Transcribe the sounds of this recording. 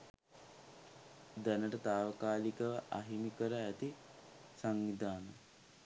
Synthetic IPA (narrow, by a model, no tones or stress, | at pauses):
d̪ænəʈət̪aːʋəkaːlikəʋəʔa̰ɦimikəɾəæt̪i | saŋʋid̪aːnə